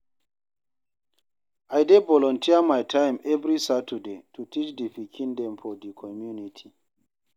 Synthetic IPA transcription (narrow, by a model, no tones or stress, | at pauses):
ajdevɔlɔ̃ntʰiəmajtʰãjmɛvɾisatʰədetʰutʰit͡ʃdifikʰĩndɛ̃mfɔdikʰɔmjunitʰi